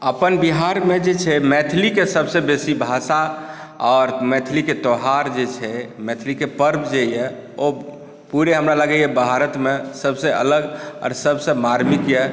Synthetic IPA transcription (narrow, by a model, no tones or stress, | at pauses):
əpənbiɦaɾmed͡ʒet͡ʃʰɛmɛt̪ʰlikesəbsebesibʱasa | ɔɾmɛt̪ʰliket̪ɔɦaɾd͡ʒet͡ʃʰɛmɛt̪ʰlikepəɾbd͡ʒejɛo | puɾeɦəmɾaləɡɛjɛbʱɦaɾət̪mesəbʱseə̰ləɡɔ̰ɾsəbsəmaɾmikjɛ